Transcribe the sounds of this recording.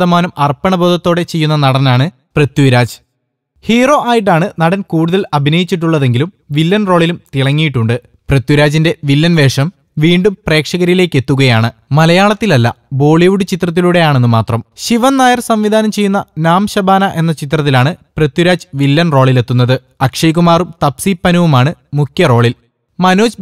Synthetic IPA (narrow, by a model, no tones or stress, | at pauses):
ɐmaːnumɐrpːɐɳɐbo̞ːd̪ʱɐt̪ːo̞ːɽe̞t͡ɕe̞jːunːɐnɐɽɐnaːɳɨ | prɐt̪juɾaːd͡ʑ | hiːro̞ʔaːjiʈːaːɳɨnɐɽɐnkuːɽuðɐlɐbʱinɐjit͡ɕːiʈ̬ːuɭːɐðe̞ŋɡilum | ʋilːɐnro̞ːɭilumt̪iɭɐŋːijiʈːuɳɖɨ | prɐt̪ːjuɾaːd͡ʑinde̞ʋilːɐnʋe̞ːʂɐm | ʋiːɳɖumpre̞ːkʂɐɣɐɾile̞ːkːe̞t̪ːuɣɐjaːɳɨmɐlɐjaːɭɐt̪ːilɐlːɐ̰bo̞ːɭiʋuɽut͡ɕit̪rɐt̪̬ːiluɽe̞jaːɳe̞nːɨmaːt̪rɐmɕiʋɐnnaːjɐrsɐmʋid̪ʱaːnɐmt͡ɕe̞junːɐnaːmɕɐbaːnɐʔe̞nːɐt͡ɕit̪rɐt̪̬ːilaːɳɨprɐt̪ːjuɾaːd͡ʑɨʋilːɐnro̞ːɭile̞t̪ːunːɐðɨ | ɐkʂɐjkumaːrumt̪ɐpsipːɐnuʋumaːɳɨmukʰjɐro̞ːɭil | mɐnoːd͡ʑ